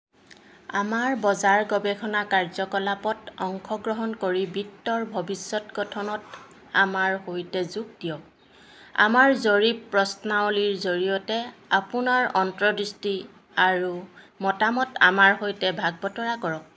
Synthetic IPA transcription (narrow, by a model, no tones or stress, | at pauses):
amaɹbɔzaɹɡɔbɛkʰɔnakaɹzɔkɔlapɔtɔŋkʰɔɡɹɔɦɔnkoɹibitːɔɹbʱɔbisːɔtɡɔtʰɔnɔt | amaɹhojtɛzuk̚d̥ijɔk̚ | a̰maɹzoɹipɹɔsnawliɹzoɹijɔtɛapunaɹɔntɹɔdɹisti | aɹu | mɔtamɔta̰maɹhojtɛbʱaɡ̚bɔtɔɹakɔɹɔk̚